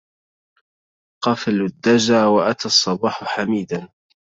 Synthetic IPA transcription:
qɑflʊd̪ːad͡ʒaːwaʔat̪asˤːɑbɑːħħamiːd̪an

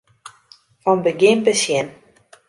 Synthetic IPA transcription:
ɔnbəɡɪmpəsjɛn

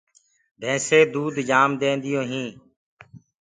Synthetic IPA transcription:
d̪ʱẽːseːd̪uːd̪d͡ʒaːmd̪ẽːnd̪ɪjõːɦĩː

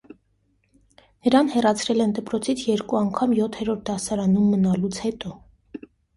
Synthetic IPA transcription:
nəɾɑnhɛrɑt͡sʰɾɛlɛnd̪əpɾɔt͡sʰit͡sʰjɛɾkuɑŋkʰɑmjɔt̪ʰɛɾɔɾt̪̚ʰd̪ɑsɑɾɑnumːənɑlut͡sʰhɛt̪ɔ

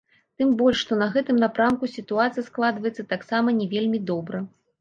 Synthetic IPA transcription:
t̪ɨmbɔlʲʂʂt̪ɔnɐɣɛt̪ɨmnapɾamkusʲit̪uat̪sɨjɐsklˠad̪vɐjɛt̪sːɐt̪aksamɐnʲɛvʲelʲmʲid̪ɔbɾɐ

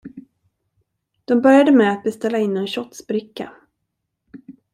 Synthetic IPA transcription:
d̪̥ɔmbœɾjad̪əmɛat̪̚bɛst̪ɛlːaɪnːɛnɕɔt̪sbɾɪkːa̰

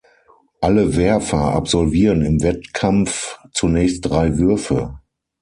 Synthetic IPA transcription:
ʔaləvɛɐfɐʔa̰pz̥ɔlviːʁənɪmvɛtkʰamft͡sunɛːçst̚d̥ʁaɪvʏɐfə̰

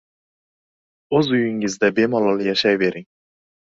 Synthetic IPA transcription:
øzujiŋɪzd̪ɛbemɑlˠɑlˠɨjɑʃɑjveɾɪŋ

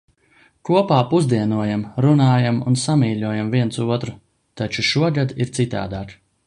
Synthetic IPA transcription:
kuɔpaːpuzd̪iɛnuɔjamɾunaːjamunsamiːʎʲuɔjamviɛnt̪suɔt̪ɾu | t̪at͡ʃuʃuɔɡad̪iɾt̪sit̪a̰ːd̪aːk

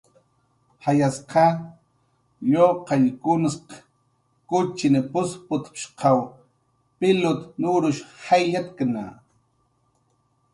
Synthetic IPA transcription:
hajasqɑ | joqɑjkʊnsq | kʊt͡ʃɪnɪpʊspʊt̪pʃqʰaw | pɪlʊt̪nʊɾʊʃhajʎat̪kna̰

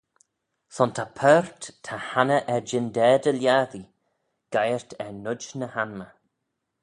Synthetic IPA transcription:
sɔnt̪ʰapʰœːɹt̪tʰːahanəʔɛɹd͡ʒɪnd̪ɛːd̪əljaːði | ɡ̥ajəɹt̪ʰɛnʊd͡ʒnəhanmə

